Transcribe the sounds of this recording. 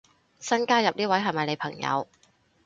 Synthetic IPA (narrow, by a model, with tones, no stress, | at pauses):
sɐ˥nkaː˥jɐ˨p̚niː˥wɐ˨˥jɦɐ˨jmɐ˨jne˨˧jpʰɐ˨˩ŋjɐ̰˨˧w